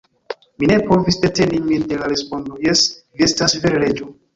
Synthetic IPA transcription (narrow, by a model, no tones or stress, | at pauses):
mine̞po̞visde̞te̞nimindelaɾespo̞ndojesviestasveɾeɾed͡ʒo